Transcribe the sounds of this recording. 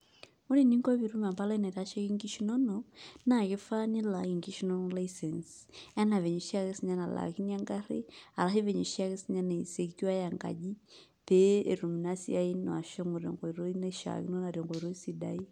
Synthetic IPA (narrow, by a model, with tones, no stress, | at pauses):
ɔ˦ni˦˨ni˦ŋɡɔ˦βi˨ɾu˦ma˨mba˦la˦i˦na˨ɾa˦ʃa˦ki˦ŋɡi˦ʃi˦nɔ˦nɔna˨ki˦fa˦ni˦la˨i˨ŋɡi˦ʃinɔ˦nɔlaisɛ˨ns | a˦na˨vɛ˨ɲɛ˨ʃi˦a˦ɣɛ˦si˦ɲa˦na˨la̰˨ki˦ni˦a˦ŋɡa˦ɾi˦a˨la˦ɦi˦vɛ˨ɲɛ˨ʃi˦a˦ɣɛ˦siɲa˦na˨i˨sɛ˦ki˦wa˦ja˨ŋɡa̰˨ʄi˦ | pɛɛ˨ɾu˨mi˨na˦sḭa˦i˦nɔ˨a˨ʃɔ˦ŋɔ˨ɾɛ̰˨ŋɡɔ˨i˨ɾɔ˦i˦nɛ˦ʃa̰˨ki˦nɔ˦na˨ɾɛ˨ŋɡɔ˨i˨ɾɔ˦i˦si˨da̰˦i˦